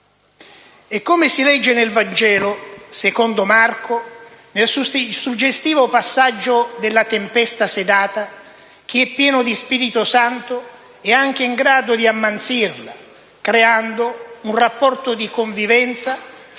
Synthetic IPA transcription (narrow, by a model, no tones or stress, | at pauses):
ekːomesilɛd͡ʒːenelvand͡ʒɛːlosekond̪omarkonelsusud͡ʒːest̪iːvopasːad͡ʒːod̪elːat̪empɛst̪ased̪aːt̪a | k̟iɛpːjɛːnod̪ispiɾit̪osant̪o | ɛaŋk̟eiŋɡɾaːd̪od̪iamːant̪sirla̰ | kɾeand̪ounrapːɔrt̪od̪ikoɱvivɛnt̪sa